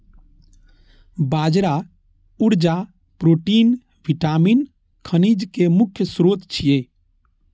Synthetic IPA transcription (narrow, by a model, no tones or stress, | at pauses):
bad͡ʒɾa | uɾd͡ʒa | pɾoʈin | ʋiʈamin | kʰənid͡ʒkemukʰjəsɾot̪t͡ʃʰije